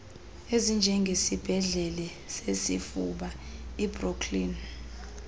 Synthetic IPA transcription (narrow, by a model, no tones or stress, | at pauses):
ezind͡ʒʱɛŋɡʱesib̥ʱɛɮɛlɛ | sesḭfuɓaibrokʰlin